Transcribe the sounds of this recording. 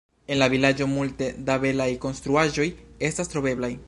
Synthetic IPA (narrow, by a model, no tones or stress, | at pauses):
e̞nlavilad͡ʒo̞multe̞dabe̞lajko̞nstɾuaʒo̞je̞stastɾo̞be̞blaj